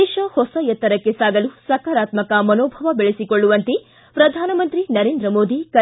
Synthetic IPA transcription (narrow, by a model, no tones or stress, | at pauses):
eʃɐhɔsɐjɐt̪ːɐɾɐkːesaːɡɐlusɐkaːɾaːt̪mɐkɐmɐnoːbʱɐʋɐbeɭesikoɭːuʋɐnt̪e | pɾɐd̪ʱaːnɐmɐnt̪ɾinɐɾeːnd̪ɾɐmoːd̪ʱikɐ